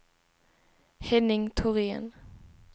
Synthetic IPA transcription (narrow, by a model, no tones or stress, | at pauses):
hɛnɪŋt̪ʰʊʁeːə̰n